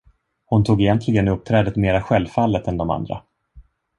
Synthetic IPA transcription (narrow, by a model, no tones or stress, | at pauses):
hʊnt̪ʰuːɡɛjɛnt̪ʰlɪɡənɵp̚t̪ʰɾɛːd̪ət̪meːɾaɧɛlvfalːət̪ɛnd̪ɔma̰nd̪ɾa̰